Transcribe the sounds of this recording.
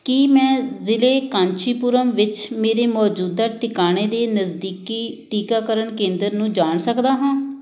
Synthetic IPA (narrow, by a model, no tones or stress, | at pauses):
kimɛ̃ːzɪleːkãːɲt͡ʃʰiːpʊɾəmʋɪt͡ʃmeːɾeːmɔːd͡ʒuːd̪aːʈɪkaːneːd̪eːnəzd̪iːkiːʈiːkaːkəɾəɳkẽːnd̪əɾnũːd͡ʒaːɳsəkd̪aːɦãː